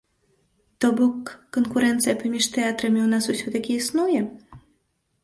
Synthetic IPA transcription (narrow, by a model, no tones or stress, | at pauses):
t̪ɔbɔkːonkuɾɛnt̪sɨjapɐmʲiʂt̪ɛjat̪ɾɛmʲɛwnasusʲɔt̪akʲiisnujɛ